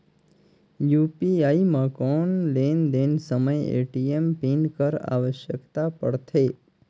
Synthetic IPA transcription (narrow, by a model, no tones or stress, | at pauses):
jupiaimãkɔnlend̪ensəməjḛʈiempinkəɾa̰ʋəʃjəkt̪apəɽt̪ʰe